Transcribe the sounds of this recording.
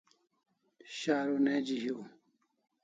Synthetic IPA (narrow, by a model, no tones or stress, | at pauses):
ɕaːɾoneːd͡ʑiɦjo